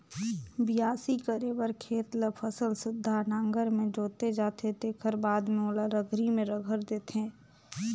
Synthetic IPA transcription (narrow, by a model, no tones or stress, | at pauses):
bɪjaːsikəɾeːbəɾkʰeːt̪lpʰəsəlsʊd̪ʱːanãːŋɡəɾmẽd͡ʒoːt̪ed͡ʒaːt̪et̪eːkʰəɾbaːd̪mẽoːlaɾəɡʱɾimẽɾəɡʱəɾd̪eːt̪ẽː